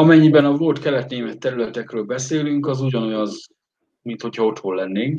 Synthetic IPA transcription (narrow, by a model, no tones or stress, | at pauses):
ɒmɛɲːibɛnɒvo̞lt̪kɛlɛt̪neːmɛt̪ːɛɾylɛt̪ɛkrøːlbɛseːlyŋkɒzuɟɒno̞jɒz | mint̪ho̞chɒo̞t̪holːɛnːeːŋk